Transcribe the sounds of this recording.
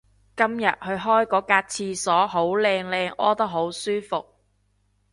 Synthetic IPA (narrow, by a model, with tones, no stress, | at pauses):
kɐ˥mjɐ̰˨t̚hɵ˨˧ɥɦɔː˥jkɔː˨˥kaː˧t̚t͡sʰiː˧sɔː˨˥ɦo˨˥wlɛː˧ŋlɛː˧ŋʔɔː˥t̪ɐ˥k̚ɦo˨˥wsyː˥fʊ˨k̚